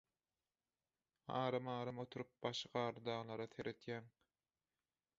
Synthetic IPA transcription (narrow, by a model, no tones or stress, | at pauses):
ɑːɾɑmɑːɾɑmo̞t̪ʰuɾup̚b̥ɑʃqɑːɾɯd̪ɑːʁlˠɑɾɑt̪ʰeɾʔet̪jæŋ